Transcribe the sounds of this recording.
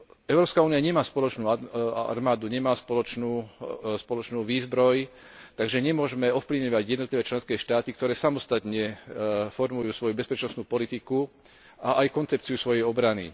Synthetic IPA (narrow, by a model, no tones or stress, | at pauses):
ɛʊɾɔːpskauːniaɲɛmaːspɔlɔt͡ʃnuːaa̰ɾmaːd̪uɲɛmaːspɔlɔt͡ʃnuːspɔlɔt͡ʃnuːʋiːzbɾɔjt̪aɡʒɛɲɛmʊɔʒmɛɔfpliʋɲɔʋaɟjɛd̪nɔt̪liʋɛːt͡ʃlɛnskɛːʃt̪aːt̪ikt̪ɔɾɛːsamɔst̪at̪ɲɛfɔɾmujuːsʋɔjubɛspɛt͡ʃnɔsnuːpɔlit̪iku | ʔaʔajkɔnt͡sɛp̚t͡siusʋɔjɛjɔbɾanḭ